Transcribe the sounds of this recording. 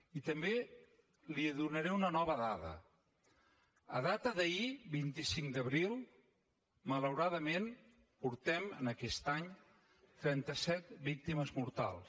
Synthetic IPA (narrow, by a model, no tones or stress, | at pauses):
it̪əmbe | liəðunəɾɛunənɔβəðatə̰ | ə̰ðat̪əðəibint̪isiŋd̪əβɾilˠ | mələwɾaðəmen | puɾt̪ɛmənəkɛst̪aɲ | t̪ɾɛnt̪əsɛt̪̚bik̚t̪iməzmuɾt̪a̰lˠs